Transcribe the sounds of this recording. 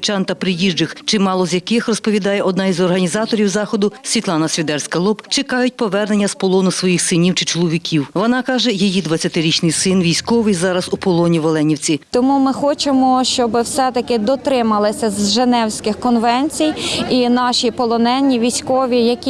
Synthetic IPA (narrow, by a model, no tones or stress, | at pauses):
t͡ʃɑnt̪ɐpɾɪjiʒd͡ʒɪxt͡ʃɪmɑlˠɔzʲjɐkɪxrɔspɔʋʲid̪ɑjɛʔɔd̪nɑizɔrɦɐnʲizɑt̪ɔɾʲiwzɑxɔd̪ʊsʲʋʲit̪lˠɑnɐsʲʋʲid̪ɛrsʲkɐlˠɔpt͡ʃɪkɑjʊt̚ʲpɔʋɛrnenʲːɐspɔlˠɔnʊsʋɔjixsɪnʲiwt͡ʃɪ̥t͡ʃɔlˠɔʋʲikʲiwʋɔnɑkɑʒɛjijid̪ʋɐt͡sʲːɐt̪ɪɾʲit͡ʃnɪjsɪnʋʲijsʲkɔʋɪjzɑɾɐzupɔlˠɔnʲiʋɔlˠɛnʲiwt͡sʲit̪ɔmumɪxɔt͡ʃemɔʃt͡ʃɔbɪwsɛt̪ɐkɪd̪ɔt̪ɾɪmɐlˠɪsʲɐzʒenɛwsʲkɪxkɔnʋɛnʲt͡sʲijinɑʃipɔlˠɔnɛnʲːiʋʲijsʲkɔʋʲijɐkʲi